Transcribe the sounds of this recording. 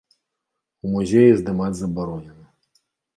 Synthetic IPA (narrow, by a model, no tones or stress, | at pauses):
umuzʲejizd̪ɨmad͡zʲzɐbaɾɔnʲɛnɐ